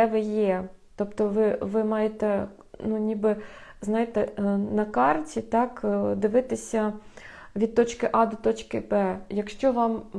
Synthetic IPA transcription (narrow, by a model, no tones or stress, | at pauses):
ɛʋɪjɛt̪ɔpt̪ɔʋɪʋɪmɑjet̪ɛ | nunʲibɪznɑjɪt̪ɛnɐkɑrtʲit̪ɑkd̪ɪʋɪt̪ɪsʲɐ | ʋʲid̪̚t̪ɔt͡ʃkɪʔɑd̪ɔt̪ɔt͡ʃkɪbɛjɐkʃt͡ʃɔʋɑm